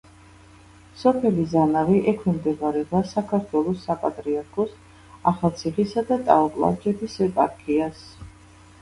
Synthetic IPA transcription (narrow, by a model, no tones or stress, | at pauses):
sɔpʰɛlizanaviʔɛkʰimd̪ɛvaɾɛʁasakʰaɾt̪ʰwɛlˠɔsːapʼat̪ʼɾiaɾkʰɔs | aχalˠt̪sʰiχisad̪at̪ʼa̰ɔpʼlˠa̰t͡ʃʼɛt̪ʰisɛpʼaɾkʼʰias